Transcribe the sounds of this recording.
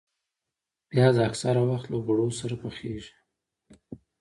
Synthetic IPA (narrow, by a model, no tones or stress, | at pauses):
b̥jɑd̪əaksaɾawaxt̪lobaɽosaɾapəxeʒi̥